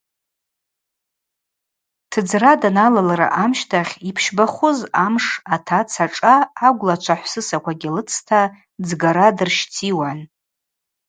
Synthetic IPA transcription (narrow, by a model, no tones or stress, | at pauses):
tʰɨd͡zradanalalaɾa̰ʔamʃtʰaχʲipʰʃbaχʷʊzamʂatʰat͡sʰaʈ͡ʂʼaːɡʷlat͡ʃʷʰaħʷsɨsakʷʰaɡʲilɨt͡sʰtʰa | d͡zɡaɾadɨrʃtʰiwan